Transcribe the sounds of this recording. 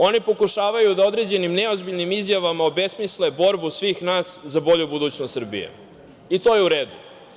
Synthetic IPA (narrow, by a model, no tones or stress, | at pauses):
o̞nipo̞kuʃaːʋajud̪ao̞d̪ɾe̞d͡ʑe̞nimneo̞zbiʎnimizjaʋamaobe̞smislebo̞ɾbusʋiːxnaːszabo̞ʎubud̪uːt͡ɕnost̪sr̩bḭjḛ | it̪o̞ːjeuɾe̞ːd̪u